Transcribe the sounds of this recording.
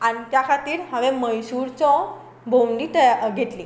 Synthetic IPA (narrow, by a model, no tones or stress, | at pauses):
anit̪jakʰat̪iːɾɦəʋeməjsuɾt͡sɔ | bʱowɳɖiʈəjaɡʱet̪li